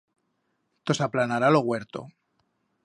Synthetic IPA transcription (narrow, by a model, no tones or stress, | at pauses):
t̪o̞saplanaɾalo̞ɣwe̞ɾt̪o̞̰